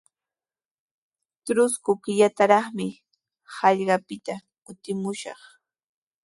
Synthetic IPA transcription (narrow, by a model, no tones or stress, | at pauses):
t̪ɾʊskʊkɪʎat̪aɾɑχmɪ | hɑʎɢɑpɪt̪a | kʊt̪ɪmʊʃɑ̰χ